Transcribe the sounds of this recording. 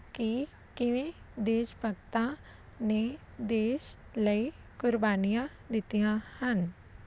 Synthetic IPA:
ki | kɪʋẽːd̪eːʃbʱəɡt̪ã | ne | d̪eːʃləi | kʊɾbaːnijã | d̪ɪt̪ijãhən

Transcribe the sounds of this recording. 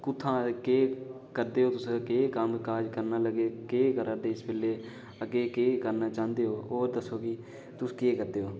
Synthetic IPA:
kʊt̪ʰːãːkeː | kəɾd̪eːɦoːt̪ʊsːkeːkəmkaːd͡ʒkəɾnaːləɡeːkeːkəɾəd̪eːɪsbɪːlːeː | əɡeːkeːkəɾnaːt͡ʃãːnd̪eːɦoːɦoːɾd̪əsːoːki | t̪ʊskeːkəɾd̪eːɦoː

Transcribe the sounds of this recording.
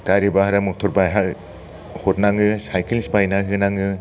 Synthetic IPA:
taɾibaɦaɾamɯk̚tʰɔɾbajɦaɾ | hot̚naŋɯsajkʰilspajnaɦɯnaŋɯ

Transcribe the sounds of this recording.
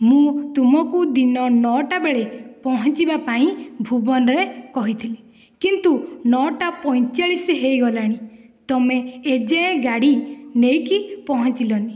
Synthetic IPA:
mũt̪umɔkud̪inɔnɔʈabeɭepɔɦɔnt͡ʃibapaĩbʱubɔnɔɾekɔɦit̪ʰili | kint̪unɔʈapɔj̃t͡ʃaɭisiɦejɡɔlaɽ̃i | t̪ɔmeːd͡ʒeẽɡaɽinejkipɔɦɔnt͡ʃilɔni

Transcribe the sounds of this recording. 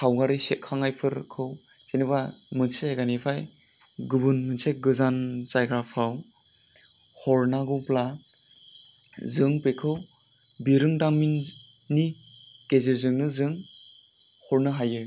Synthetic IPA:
kʰawɡaɾiset̚kʰːaŋajpʰɯɾkʰɯw | seniba | mɯnseajɡanipʰaj | ɡɯbɯnmɯnseɡɯzanzajɡɾapʰaw | hɔɾnaɡupla | zɯŋpekʰɯw | biɾɯŋdaminːi | keziɾzɯŋnɯzɯŋ | hɔɾnɯɦajɯ

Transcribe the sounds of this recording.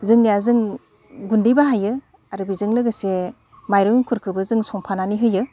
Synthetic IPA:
zɯŋnijazɯŋ | ɡundijbaɦajɯ | aɾɯbizɯŋlɯɡɯse | majɾɔŋiŋkʰuɾkʰɯbɯzɯŋsɔŋpʰananiɦɯjɯ

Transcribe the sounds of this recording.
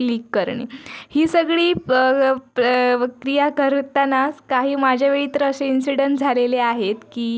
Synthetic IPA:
liːkːəɾɳḭːhiːsəɡɭiː | pkɾijakəɾt̪anaskaɦiːmad͡ʑʱaʋeit̪ɾəəseinsiɽənʈd͡zʱaleleaɦet̪kiː

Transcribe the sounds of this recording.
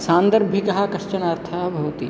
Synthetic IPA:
sãːnd̪əɾbʱikɐɦakɐʃt͡ʃənaːɾt̪ʰɐbʱoːt̪i

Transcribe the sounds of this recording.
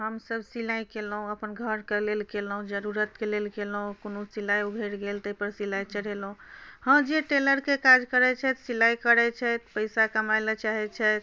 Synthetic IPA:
ɦəmsəbsilajkelɦũəpənɡʱəɾkəlelkelɦũd͡ʒəɾuɾət̪kelelkelɦũkonusilajubʱeɾɡelt̪əpəɾsilajt͡ʃəɽɦelɦũhəmd͡ʒeʈeləɾkekad͡ʒkəɾɛt͡ʃʰɛt̪silajkəɾɛt͡ʃʰɛt̪pəɪsakəmalət͡ʃaɦɛt͡ʃʰɛt̪

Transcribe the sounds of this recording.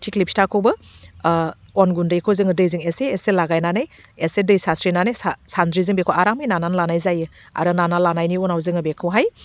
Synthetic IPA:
tʰiklipʰi̥takʰowbɯ | ɔnɡundɯjkʰowzɯŋɯdɯjzɯŋeseːselaɡajnanɯjesedɯjsasɾinanajsasandɾizɯŋbekʰowaɾamɯjnananlanajzajɯ | a̰ɾɯnanalanajniɔnawzɯŋɯbekʰɯwɦaj

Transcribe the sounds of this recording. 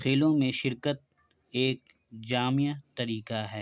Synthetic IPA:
xeːlõmẽʃɪɾkət̪̚ | eːk̚ | d͡ʒaːmijat̪ɐɾiːkaɦɛː

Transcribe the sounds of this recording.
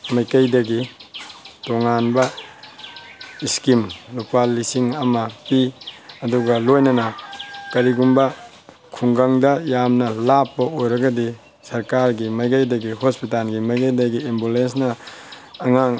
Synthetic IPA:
majkɐjdɐɡi | toŋanbɐ | iskimlupalisiŋɐmɐpiɐduɡɐlojnɐnɐkɐɾiɡumbɐ | kʰuŋɡaŋdɐjamnɐlapːɐojɾɐɡɐdi | sɐɾkaɾɡimɐjkajdɐɡihospitalɡimɐjkɐjdɐɡiembulensnɐː | ŋaŋ

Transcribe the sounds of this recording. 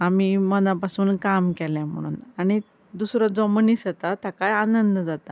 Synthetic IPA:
amiːmənãpasuːnkamkɛljãm̤ə̰ɽ̃ṵːnaɽ̃i | d̪usɾɔd͡zɔmənisət̪at̪akajanənd̪d͡zat̪a

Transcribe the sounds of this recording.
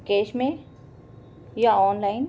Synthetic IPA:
keːʃmẽ | jaɔːnlaːɪn

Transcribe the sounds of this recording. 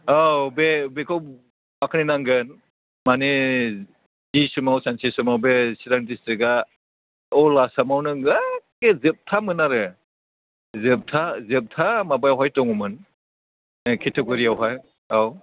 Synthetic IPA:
abebekʰaw | akʰaninaŋɡɯn | mane | zisumawsansesumawbesiɾaŋtistɯɡa | ɔlasamawnɯɡakezɯp̚tʰamɯnaɾɯ | zɯp̚tʰazɯp̚tʰamabajawɦajtɔŋumɯn | kʰetʰeɡɔɾiawɦaj | aw

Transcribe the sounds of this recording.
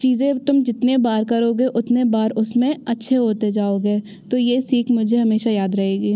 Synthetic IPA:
t͡ʃiːzẽt̪ʊmd͡ʒɪt̪nebaːɾkɐɾoːɡeʔʊt̪nebaːɾʊsmẽɐtːʃʰeɦoːt̪ed͡ʒaːoːɡeː | t̪oːjeːsiːkʰmʊd͡ʒʱeɦɐmeːʃajaːd̪ɾɐɦeːɡiː

